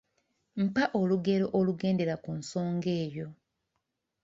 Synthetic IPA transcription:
m̩paʔo̞luɡe̞ɾo̞ʔoluɡe̞ːnde̞ɾakunso̞ːŋɡe̞ːjo̞

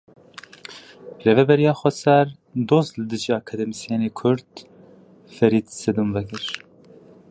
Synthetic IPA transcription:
revɛbɛɾijɑːxʷɛsɛɾ | d̪oːzlɨd̪ɨʒiɑkʰɑd̪ɛmisijeneːkʰʊɾd̪ | fɛɾiːd̪sɛd̪umvɛkɨɾ

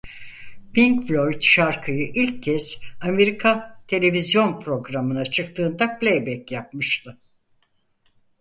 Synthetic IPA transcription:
piŋkflʲo̞jt̪ʃaɾkʰɯjɯʔilʲcːɛz̥ame̞ɾikʰat̪ʰe̞lʲe̞vizjo̞npɾo̞ɡɾamɯnat͡ʃʰɯkt̪ʰɯːnd̪aplʲejbɛcjap̚mɯʃt̪ʰɯ

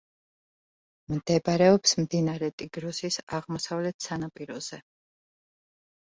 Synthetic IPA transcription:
md̪̥ɛbɾɛɔpsmd̪inaɾɛt̪ʼiɡɾɔsisaʁmɔsavlɛt̪ʰsanapʼiɾɔz̥ɛ

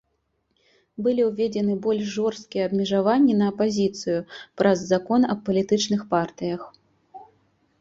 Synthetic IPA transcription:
bɨlʲiwvʲed͡zʲɛnɨbɔlʲʃʐɔrst̪̚kʲijɛɐbmʲɛʐavanʲːinɐːpazʲit̪sɨjupɾʔɐzːakɔnɐpɐlʲit̪ɨt͡ʂnɨxpart̪ɨjɐx

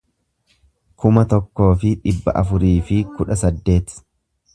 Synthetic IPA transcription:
kʰʊmɐt̪ɔkːo̞ːfɪᶑɪbːɐ̰ʔɐfʊɾiːfɪkʊᶑɐsɐd̪ːe̞ːt̪

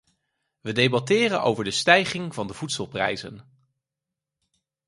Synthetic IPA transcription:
ʋədejbɑtɪːrənʔo̰wvəɹdəstɛjχɪŋv̥ɑndəv̥utsəlˠprɛ̰jzə̰n

